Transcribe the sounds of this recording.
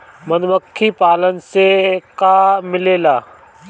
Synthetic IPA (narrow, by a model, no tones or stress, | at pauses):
mɐnʋəkʰːipaːlənɪ̆sekaːmɪleːlaː